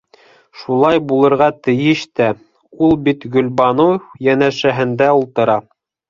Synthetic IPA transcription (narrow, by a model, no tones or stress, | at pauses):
ʃulˠɑjbulˠɤ̆ɾʁɑt̪ɘ̆jɘʃt̪æ | ulˠbit̪ɡɵ̆lbɑnɤwjænæʃæɦɘ̆nd̪æulˠt̪ɤ̆ɾɑ